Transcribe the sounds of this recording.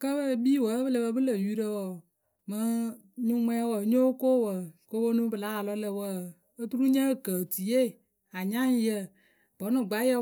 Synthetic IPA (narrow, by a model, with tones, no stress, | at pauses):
kə˦bə˦˨biː˦wə˨˦bɨ˦lə˧bə˧˦bɨ˦lə˨ju˦ɾə˦wə˨ | mɨ˦ | ɲu˦mʷɛ˦wə˨ɲo˦ko˦˨wə˨ko˦bo˦nũ˦bɨ˨la˨˦a˨lɔ˦lə˨wə˦ | ə˦tu˦ɾu˦ɲə˦˨kə˨ti˨je˦˨ | a˨ɲa˦ŋ˦jə˦ | b̥ɔ˨˦nɨ˨ɡ͡ba˨˦jə˦